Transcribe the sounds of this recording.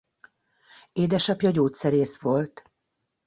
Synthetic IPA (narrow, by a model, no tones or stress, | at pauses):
eːd̪ɛʃɒpjɒɟoːt̪sɛɾeːsʋo̞lt̪